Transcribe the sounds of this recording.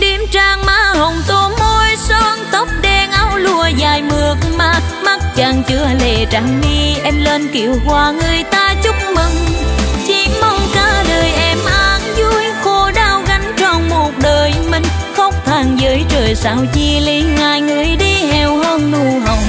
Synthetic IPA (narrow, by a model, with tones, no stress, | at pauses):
ɗe˨˩mt͡ɕaː˧˩ŋmaː˧˦ɦə˨wŋ͡mt̪o˧˦mo˧jsɔ˧nt̪ə˦˥wk͡p̚ɗɛ˧nʔa˧wlu˧əzaː˨˩jmɨ˨˩ək̚maː˧˩ma˦˥t̚t͡ɕaː˨˩ŋt͡ɕɨ˧˦əle˨˩t͡ɕaː˧˩ŋɗi˧ʔɛ˧mleː˧nkḭ˧˨əwkwaː˧˨˩ŋɨ˨˩əjt̪aː˧t͡ɕʊ˦˥k͡p̚mɨ˧˩ŋt͡ɕi˧˦ma˧wŋ͡mkaː˧˦ləː˨˩jʔɛ˧mʔaː˨nzu˧˥jxo˧˦ɗaː˧wɣa˨˦jŋ̟t͡ɕɔ˧˩nmo˨˩ət̚ɗəː˨˩jmï˧˨˩ŋ̟ | xə˧˥wŋ͡mt̪ʰaː˨˩ŋzəː˨˦jt͡ɕəː˨˩jsaː˧˩wzi˨˩li˧˨˦ŋaː˨˩jŋɨ˨˩əjɗi˧ɦɛ˨˩wɦə˧nnu˧˩ɦə˨˩wŋ͡m